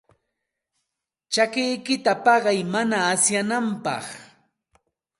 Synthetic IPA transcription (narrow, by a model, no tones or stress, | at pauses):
t͡ʃakɪjkɪt̪apɑɢɑjmanaːsjanampɑ̰χ